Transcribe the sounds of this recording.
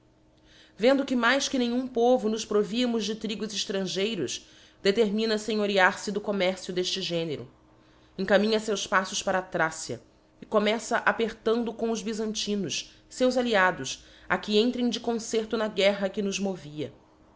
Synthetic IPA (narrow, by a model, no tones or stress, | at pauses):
vẽnd̪ʊkɪmajskɪnẽɲũpovʊnʊʃpɾoviɐmʊzd͡ʒɪt̪ɾiɡʊzɪʃt̪ɾɐ̃ʒejɾʊs | d̪̥et̪eɾmĩnɐsẽj̃oɾiaɾsɪd̪ʊkomɛɾsjʊd̪eʃt͡ʃɪʒẽneɾʊ̰ | ẽŋkamĩɲɐsewspasʊʃpaɾɐːt̪ɾasjɐ̰ | ɪkomɛsɐʔapeɾt̪ɐ̃nd̪ʊkõw̃ʊzbizɐ̃nt͡ʃĩnʊʃ | sewzaliad̪ʊs | akɪẽnt̪ɾẽj̃d͡ʒɪkõseχt̪ʊnɐɡɛɦɐkɪnʊzmoviɐ̰